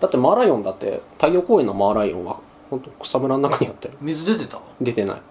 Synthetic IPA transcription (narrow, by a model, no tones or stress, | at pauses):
d̪̥at̪ːe̞maːɾaiõ̞nd̪at̪ːe̞̰t̪aijo̞ːkoːenːo̞maːɾaiõŋ̃ɡa̰ | hont̪oko̥samɯ̟ɾannakaɲ̟ijat̪ːeɾɯ̟mʲizɨd̪e̞t̪e̞t̪a | d̪e̞t̪e̞na̰ḭ